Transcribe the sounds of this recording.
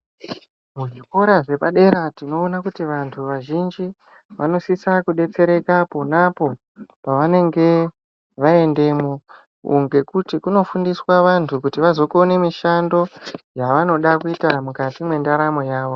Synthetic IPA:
muʐiko̞ɾaʐe̞paɗe̞ɾatino̞ːnakutiʋantʰuʋaʒind͡ʒi | ʋano̞sisakuɗe̞t͡se̞ɾe̞kaponapo̞ | paʋane̞ŋɡe̞ | ʋae̞nde̞mo | ṵŋɡe̞kutikuno̞fundiswaʋantʰukutiʋazo̞ko̞ne̞miʃando̞jaʋano̞ɗakuitamukatimwe̞ndaɾamo̞jaːʋo̞

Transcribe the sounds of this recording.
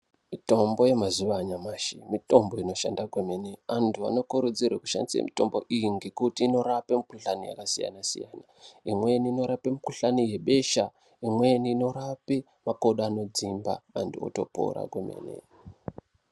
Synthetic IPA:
mito̞mbo̞je̞mazuʋaɲamaːʃḭmito̞mbo̞ino̞ʃa̰ndakweme̞ne̞antʰua̰no̞kuɾud͡zirwḛku̥ʃa̰ndisḛmito̞mbo̞ʔijiŋɡe̞kutiːno̞ɾapemikuɬanija̰kasija̰nasḭja̰ːna | imwe̞niːno̞ɾapemikuɬanije̞ɓe̞ʃa | imwe̞niːno̞ɾape | mako̞ɗaano̞d͡zimba̰ma̰ntʰuo̰to̞po̰ɾa̰kwemḛːne̞̰

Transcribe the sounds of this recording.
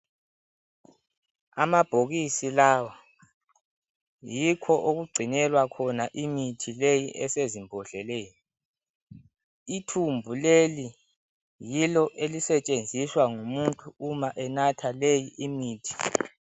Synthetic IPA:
amab̥ʱoɣisilawa | jikʰɔʔoɣuɡ͡ǀʱinɛlwakʰɔnaʔimitʰilejiʔɛsezimbʱɔɮɛlɛːjɔ | itʰumbʱuleli | jilɔʔelisɛt͡ʃʼend͡zʱiswaŋumuntʼuumaʔɛnatʰalejiʔimiːtʰi̥

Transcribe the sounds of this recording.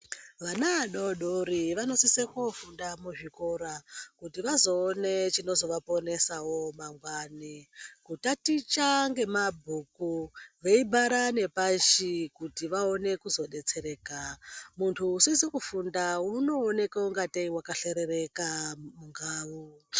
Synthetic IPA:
ʋanaɗoɗoɾiʋano̞sisekofundamuʐiko̞ɾakutiʋazo̞ːnet͡ʃino̞zo̞ʋapo̞ne̞sawo̞maŋɡwanikutatit͡ʃaŋɡe̞mabʱukuʋeibʱaɾane̞paʃikutiʋao̞ne̞kuzo̞ɗe̞t͡se̞ɾe̞ːkamuntʰuːsisekufundauno̞ːne̞kauŋɡateiwakaɬe̞ɾerekamuŋɡaːwu

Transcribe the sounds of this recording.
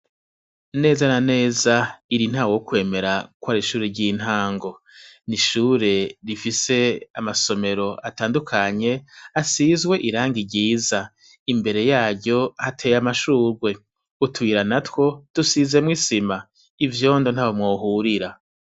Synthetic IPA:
ne̞ːzanane̞ːzaiɾin̥haːwokwe̞ːme̞ɾakwaɾiʃuːɾeɾɟin̥haːŋɡo̞ | niʃuːɾe̞ɾifise̞amaso̞me̞ɾo̞ʔataːndukʰaɲe̞asizɡwe̞ʔiɾaːŋɡiɾɟiːza | imbe̞ɾe̞jaːɾɟo̞hatʰe̞jamaʃuːɾɡwe̞ | utʰuwiɾanatwo̞d̥usize̞mwisima | ivjo̞ːndo̞n̥haβomŋo̞ːɦuɾiɾa

